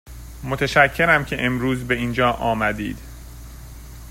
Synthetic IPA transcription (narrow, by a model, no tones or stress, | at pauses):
mot̪ʰeʃæcʰːe̞ɾæmcʰe̞ʔemɾuːzbe̞iːnd͡ʒɒːʔɒːmæd̪ḭːd̪̥